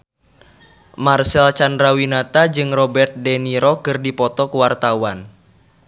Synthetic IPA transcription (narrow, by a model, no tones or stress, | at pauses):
marsɛlt͡ʃandɾawinat̪ad͡ʒɨŋrɔbɛrt̪̚dɛniɾɔkɨrdipɔt̪ɔkəwart̪awan